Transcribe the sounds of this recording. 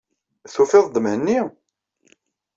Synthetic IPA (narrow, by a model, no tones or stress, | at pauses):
θufɪðˤd̪əmhənːi